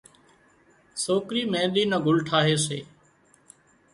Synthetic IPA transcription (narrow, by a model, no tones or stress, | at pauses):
soːkɾiːmẽːɗ̪iːnəɡʱʊlʈʰaːɦeːseː